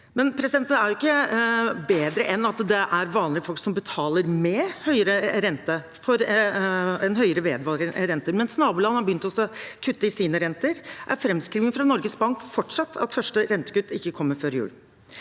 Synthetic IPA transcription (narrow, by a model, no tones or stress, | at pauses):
mɛnpʰɾɛsɪd̪ɛnt̪n̩æɾjʊɪkːə | beːd̪ɾəʔɛnːɑt̪d̪ɛʔæɾʋɑːnlɪəfɔlksɔmbət̪ʰɑːləɾmɛhœʏəɾəɾɛnt̪ə | fɔɾ | ɛnɦœʏəɾəʋeːd̪ʋɑːlɾəɾɛnt̪əɾmɛnsnɑːbʉːlɑnəhɑɾbəjʏnt̪ɔsɔkʰʉt̪ːəɪsiːnəɾɛnt̪əɾʔæ̰ɾfɾɛmskɾiːʋɪŋfɾɑnɔɾɡəsbɑŋkfɔʈʂɑt̪ʰːɑ̰t̪fœʂʈəɾɛnt̪ə̥kʉt̪ːɪkːəkʰɔmːəɾføːɾjʉ̰ːl